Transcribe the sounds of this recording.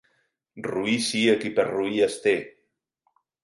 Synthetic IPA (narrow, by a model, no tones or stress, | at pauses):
ruisiəkipəɾruiəst̪e